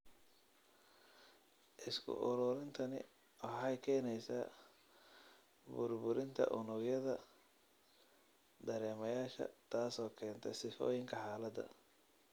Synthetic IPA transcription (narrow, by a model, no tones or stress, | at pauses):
ʔɪskʰʊ̰ʔʊɾʊɾɪnt̪ʰɐnɪ̰ | wɑħɑjkʰɛːnɛjsaː | bʊrbʊɾɪnt̪ʰɐ̰ʔʊnʊɣjɐðɐ | d̪ɐɾɛːmɐjaːʃɐ̰t̪ʰaːsɔːkʰɛːnt̪ʰɛsɪfɔ̰ːjɪŋkʰɐħaːlɐd̪ɐ̰